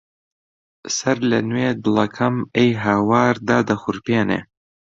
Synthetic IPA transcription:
sɐɾlɐnweːd̪ɨlˠɐkʰɐmejɦaːwaːɾd̪aːd̪ɐxʊɾpeːnḛː

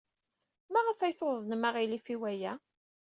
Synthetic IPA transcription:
mæʁəfæjθoðˤnmaʁilifiwæjæ

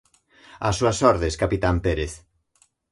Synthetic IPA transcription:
asuasɔɾðeskapit̪ampeɾeθ

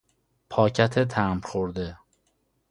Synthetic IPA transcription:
pʰɒːcʰæt̪ʰet̪ʰæmxoɾd̪e

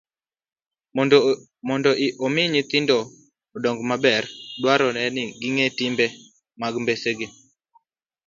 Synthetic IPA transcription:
mɔndɔʔʔomɪɲit̪ɪndɔː | dɔŋɡmabɛrdwaɾɔnɛnɪɡɪŋetimbɛ | maɡmbeseɡɪ

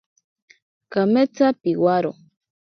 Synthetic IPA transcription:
kamet͡sapiwaɾo̰

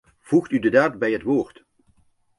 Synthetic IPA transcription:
v̥uχtydədaːtbɛjɦətʋoːɹt

